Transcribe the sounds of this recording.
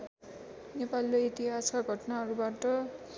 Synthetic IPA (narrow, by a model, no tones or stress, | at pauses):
nepaliloit̪iɦaskaɡʱʌʈʌnaɦʌɾubaʈʌ